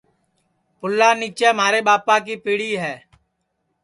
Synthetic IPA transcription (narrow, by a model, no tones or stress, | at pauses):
pʊlːaːniːt͡ʃɛːm̤aːɾeːɓaːpãːk̬iːpiːɽiːɦɛː